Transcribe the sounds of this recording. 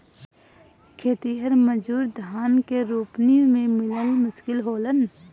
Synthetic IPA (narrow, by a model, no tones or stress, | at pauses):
kʰeːt̪iɦəɾməd͡ʒuːɾd̪ʱaːnkeɾuːpnimẽmɪlənmʊʃkɪlɦoːlən